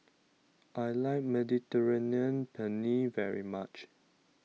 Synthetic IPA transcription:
ʔajlaɪk̚mɛditəɹeniə̃npʰɛnivɛɹḭmat͡ʃ

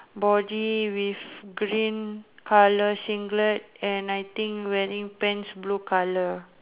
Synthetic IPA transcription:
bɔdiwifɡɹĩnkʰaləsĩŋɡlət̚ɛ̃najt̪ĩŋkwɛɹĩŋpɛ̃nsblukalə

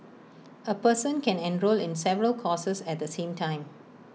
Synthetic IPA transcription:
əpəsə̃nkɛ̃nɛ̃nɹolɪ̃nsɛvəɹəlkʰɔːsəsɛt̚d̪əsẽːmtʰãɪ̃m

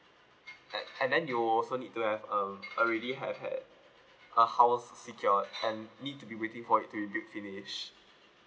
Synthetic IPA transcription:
ɛ̃ndɛ̃njuɔlsonid̚tuhɛvə̃məɹɛɾiɦɛvhɛ̰d̚ | ʔəhaʊsːikʰjɔɛ̃nːid̚tubiwetɪ̃ŋfɔɪtːuɹibjut̚finiʃ

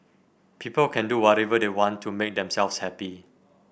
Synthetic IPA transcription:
pʰipəlkʰɛ̃nduwɔɾɛvədewɔ̃ntʰːumek̚dɛ̃msɛlfshɛpi

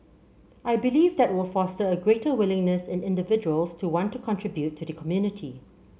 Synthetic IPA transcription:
ʔaɪbɪliːvdɛt̚wɪlˠfɔstəəɡɹetəwɪlɪ̃ŋnəsɪ̃nɪ̃ndɪvɪd͡ʒuəlˠstʰuwɔ̃ntːukʰɔ̃ntɹɪbjutʰːudəkʰɔmjunɪtʰi

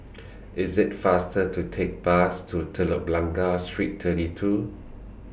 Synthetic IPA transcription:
ɪzɪtfastətʰutʰek̚bastʰutʰələp̚lãŋɡastɹittʰətitʰu

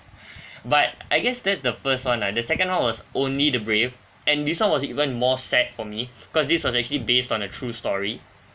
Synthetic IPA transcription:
bat̚aɪɡɛsdɛtsdəfəst̚wãnadəsɛkə̃nwãnwɔsʔõnlidəbɹev | ɛ̃ndiswãnwɔsḭvə̃nmɔsɛt̚fɔmi̥ikɔsdiswɔsɛk̚t͡ʃuəlibestɔ̃nətʰɹustɔɹi

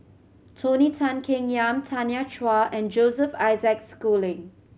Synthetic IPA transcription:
tʰonitʰãnkʰɪ̃ŋjãmtʰanjat͡ʃwaʔɛ̃nd͡ʒozəfaɪzɛkskulɪ̃ŋ

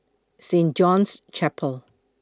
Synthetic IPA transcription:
sẽnd͡ʒɔ̃nst͡ʃʰɛpʰəlˠ

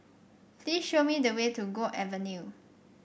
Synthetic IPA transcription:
plisʃomidəwetuɡoʔɛvənju

